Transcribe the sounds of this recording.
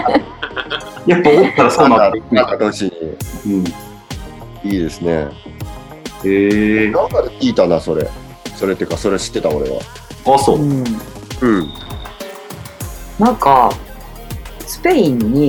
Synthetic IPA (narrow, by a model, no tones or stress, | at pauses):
japːao̥t̪ːaɾasoːnãaãkad̪oɕiɲ̟iɯ̟̃ɴ | iːd̪e̞sɨne̞ | enãkaɾekʲiːt̪anaso̞ɾe̞̰ | so̞ɾe̞t̪ːeiɯ̟kaso̞ɾe̞ɕi̥t̪ːe̞t̪ao̞ɾe̞̰βa̰ | aːsoː | ɯ̟̃ɴ | nãŋka | sɨ̥pe̞ĩɲːi